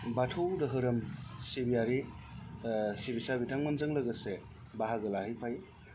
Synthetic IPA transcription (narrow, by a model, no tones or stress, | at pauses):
batʰowdɯɦɯɾɯmsebijaɾi | sebisabitʰaŋmɐnzɯŋlɐɡɐse | baɦaɡɯlahɯjpʰaj